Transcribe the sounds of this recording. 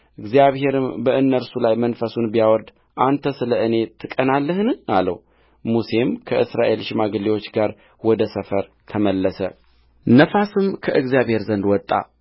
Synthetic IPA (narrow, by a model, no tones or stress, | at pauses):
ʔɨɡzijaβhe̞ɾɨmbəʔɨnːəɾsulajmənfəsunbijawɔɾd̪ | ʔant̪ʰəsɨləʔɨne̞t̪ʰːɨkʼənalːəhnalə̰w | muse̞mkʰəʔɨsɾaʔe̞lʃɪmaɡəlːewot͡ʃːɡaɾ | wɔd̪əsəfəɾ | t̪ʰəməlːəsə̰ | nəfasɨmkʰəʔɨɡzijaβhe̞ɾzənd̪wɔt̪ʼːa̰